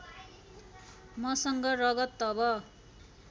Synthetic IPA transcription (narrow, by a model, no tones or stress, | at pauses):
mʌsʌŋɡʌrʌɡʌt̪ːʌbʌ